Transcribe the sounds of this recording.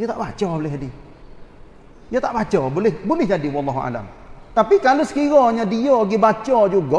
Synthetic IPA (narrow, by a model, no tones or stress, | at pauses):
jot̪aʔbat͡ʃɔbolɪɦadi | jat̪aʔbat͡ʃɔbolɪhbolɪhd͡ʒadiwɔmaɦɔa̰da̰m | t̪apikalosə̥kiɾɔɲadiɔɡibat͡ʃɔd͡ʒuɡɔ